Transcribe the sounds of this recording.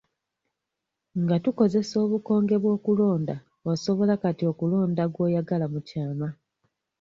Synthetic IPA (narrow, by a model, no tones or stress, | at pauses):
ŋɡatuko̞ze̞so̞ːβuko̞ːŋɡe̞βwo̞ːkulo̞ːnda | oso̞βo̞lakatio̞kulo̞ːndaɡwoːjaɡalamucaːma